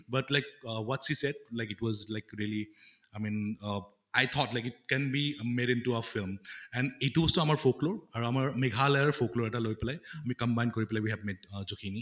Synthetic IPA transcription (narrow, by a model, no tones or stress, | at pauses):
batlaɪk̚wɔtsisɛd̚laɪkɪtwɔzlaɪkɹiəli | ajmin | ajt̪ʰɔtlajkɪt̚kɛ̃nbimeɾĩntuafilmɛ̃nitubɔstɔamaɹfokloɹaɹuamaɹmɛɡʱalajəɹfokloɹɛtalojpɛlajamikəmbajnkɔɹipɛlawiɦɛbmet̚zokʰini